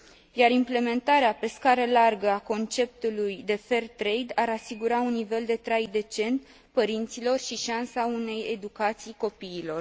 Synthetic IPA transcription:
jaɾimple̞me̞nt̪aɾeape̞skaɾelarɡəako̞nt͡ʃe̞p̚t̪ulujd̪e̞fe̞rt̪ɾejd̪aɾasiɡuɾaunːive̞ld̪e̞t̪ɾajd̪e̞t͡ʃe̞nt̪ | pəɾint̪silo̞rʃiʃansaune̞je̞d̪ukat̪sijko̞piːlo̞r

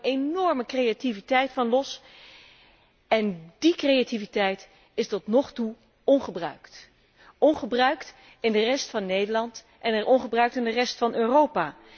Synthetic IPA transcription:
enɔɹməkrejativitɛjtfɑnlɔs | ɛndikrejativitɛjt | ɪstɔtnɔχtu | ɔnχəbrœ̰ɥkt | ɔnχəbrœɥkt | ɪndərɛstfɑnːejdəlɑnt | ʔɛnɛɹʔɔnχəbrœɥk̚tɪndərɛstfɑnøːrowpaː

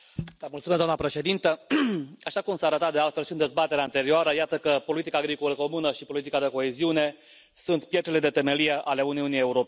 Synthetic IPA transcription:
t̪amult̪sumeszd̪amnəpɾe̞ʃe̞d̪int̪ə | aʃakumsaɾət̪at̪̚d̪ealt̪felʃiɨnd̪e̞zbat̪e̞ɾeant̪e̞ɾioaɾəjat̪əkəpo̞lit̪ikaːɡɾikoləko̞munəʃipo̞lit̪̬ikad̪e̞ko̞eziune̞ | sunt̪pjet̪ɾeled̪e̞t̪e̞me̞lijeʔale̞uniunije̞uɾope

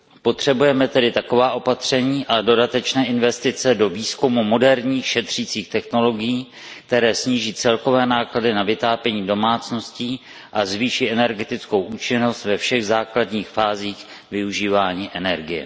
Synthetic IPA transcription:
po̞t̪r̝̥ɛbujɛmɛt̪ɛdɪt̪ako̞vaːʔo̞pat̪r̝̥ɛɲiːʔado̞dat̪ɛt͡ʃnɛːʔɪnvɛst̪ɪt͡sɛdo̞viːskumumo̞dɛɾɲiːxʃɛt̪r̝̥iːt͡siːxt̪ɛxno̞lo̞ɡɪjiː | k̚t̪ɛɾɛːsɲiːʒiːt͡sɛlko̞vɛːnaːkladɪnavɪt̪aːpɛɲiːdo̞maːt͡sno̞sci | ʔazviːʃiʔɛnɛɾɡɛt̪ɪt͡sko̞wʔuːt͡ʃɪno̞st̪vɛfʃɛɣzaːkladɲiːxfaːziːx | vɪuʒiːvaːɲiːʔɛnɛɾɡɪjɛ̰

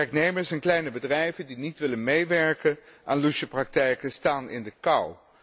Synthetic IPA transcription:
ɛɹknejməɹsɛnklɛjnəbədrɛjvəndinitʋɪlənmejʋɛɹkənʔaːnluʃəprɑk̚tɛjkəstaːnɪ̰ndəkɑw

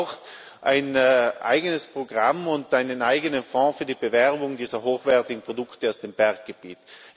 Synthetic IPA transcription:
ʊxt | ʔaɪnːʔa̰ɪɡənəspʁ̥oɡʁamʊntʔaɪnənʔaɪɡənənfɔ̃ːfyːɐdiːbəvɛʁbʊŋdiːzɐɦoːxv̥ɛɐtɪɡŋ̩pʁ̥odʊktəaʊsd̥eːmb̥ɛɐk̚ɡ̥əb̥iːt

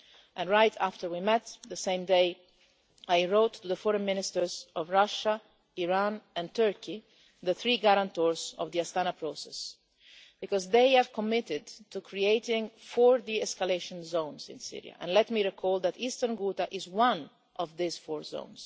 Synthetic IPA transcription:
ʔɛ̃nɹajt̪ʰaft̪əɹwimɛt̪d̪əsẽɪ̃md̪eɪ | ajɹoːt̪ʰːuðəfɔɾɛ̃nmɪ̃nɪst̪əɹzɔvɹaʃa | iɹãnɛ̃nt̪ɜɹki | ðəθɾiːɡaɾãnt̪ɔɹzɔ̰vd̪iast̪anapɾosɛs | b̥ikɔzd̪ejɛvkɔmɪtɪd̪t̪ukʰɹieɪt̪ɪ̃ŋfɔɹd̪iɛskaleɪʃɔ̃nzõw̃nsɪ̰̃nsḭɹḭja̰ʔɛ̰̃nlɛt̪miɹɛkʰɔld̪æt̪ist̪əɾnɡuːt̪aʔɪzwãn | ʔɔvd̪izfɔːɹzõ̰ʊ̃ns

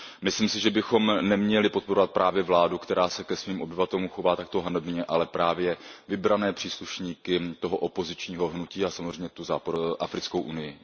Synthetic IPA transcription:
mɪsliːmsɪʒɛbɪxo̞mnɛmɲɛlɪpot̪̚po̞ɾovat̪̚pɾʔaːvjɛvlaːdukt̪ɛɾaːsɛkɛsviːmʔobɪvat̪ɛlumxo̞vaːt̪akt̪oɦanobɪɲɛʔalɛpɾaːvjɛvɪbɾanɛːpr̥iːsluʃɲiːkɪt̪o̞ɦoʔopo̞zɪt͡ʃɲiːɦoɦnuciːasamozrɛjmɲɛt̪uzaːpodoʔafɾɪt͡sko̞wʔunɪjɪ

